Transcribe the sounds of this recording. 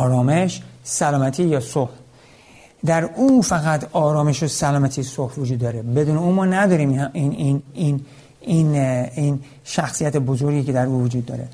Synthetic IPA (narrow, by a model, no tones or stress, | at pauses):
ɒːɾɒːme̞ʃsælɒːmæt̪ʰiːjɒːsoh | d̪æɾuːfæɣæt̪ʰɒːɾɒːme̞ʃosælɒːmæt̪ʰisohvod͡ʒud̪ːɒːɾebe̞d̪uːneuːmɒːnæd̪ɒːɾiːmiiinin | inin | ʃæxsijæt̪ʰebo̞zoɾɡʲiked̪æɾuːvod͡ʒuːd̪̚ːɒ̰ːɾḛ